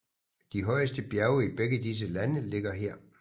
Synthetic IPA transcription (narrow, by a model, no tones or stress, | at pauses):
d̥iɦɒ̽ɪəsd̥əb̥jæɐʊəib̥eɡ̥ədis̬əlænəle̝ɡ̥ɐɦeɐ̰